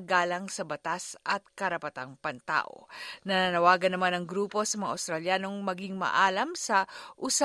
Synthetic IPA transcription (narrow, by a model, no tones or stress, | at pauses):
ɡaːlɐŋsɐbɐt̪asʔɐt̪̚kɐɾɐpɐt̪aŋpɐnt̪a̰ːʔo̰nɐnanɐwaːɡɐnɐmanɐŋɡɾuːpo̞sɐmɐŋa̰ɐ̰wst̪ɾɐljaːno̞ŋmɐɡiŋmɐ̰ʔaːlɐmsɐʔʊsa